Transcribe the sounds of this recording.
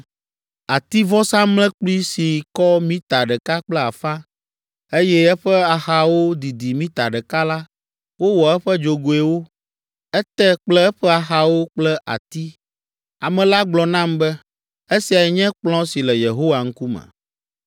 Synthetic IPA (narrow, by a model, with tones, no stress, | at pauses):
a˨t̪i˦vɔ˦sã˦mlɛ̃˦k͡pli˦si˨kɔ˦mĩ˦t̪a˨ɖɛ˨ka˦k͡plɛ˦a˨fã˦ | e˦jɛ˦ɛ˦ɸɛ˦a˨xa˨wo˦d̪i˨d̪i˨mĩ˦t̪a˨ɖɛ˨ka˦la˦ | wo˦wɔ˨ɛ˦ɸɛ˦d͡ʒo˨ɡo˨e˨wo˦ | ɛ˦t̪ɛ˦k͡plɛ˦ɛ˦ɸɛ˦a˨xa˨wo˦k͡plɛ˦ʔa̰˨t̪i˦ | a˨mɛ̃˨la˦ɡ͡blɔ˨nã˦mbɛ˦ | e˦si˨a˨jɛ˨ɲɛ̃˦k͡plɔ̃˦si˨lɛ˨je˨ɦo˦wa˨ŋ̩˦ku˦mɛ̰˨